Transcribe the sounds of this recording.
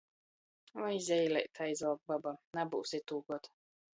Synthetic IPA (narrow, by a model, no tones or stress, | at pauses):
ɔjzʲɛjlɛjt̪ʰajizawɡ̚babanabṵwsit̪uːɡɔt̪